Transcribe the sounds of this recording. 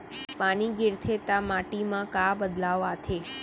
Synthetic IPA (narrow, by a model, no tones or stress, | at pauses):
paniɡɪɾt̪ʰet̪amaʈimãkabəd̪laʋat̪ʰe